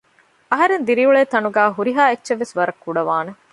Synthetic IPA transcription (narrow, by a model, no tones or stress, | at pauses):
ɐɦɐɾend̪iɾiuɭeːt̪ɐnuɡæːɦuɾiɦaːetːʃeʋːesʋɐɾɐkːuɖɐʋaːne